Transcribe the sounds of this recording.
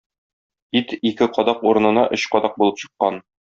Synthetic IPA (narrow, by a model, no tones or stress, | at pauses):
it̪ikɘqɒd̪ɑquɾɤ̆nɤ̆nɑʔɵɕqɒd̪ɑq̚bulˠɤpɕɤ̥̆qːɑn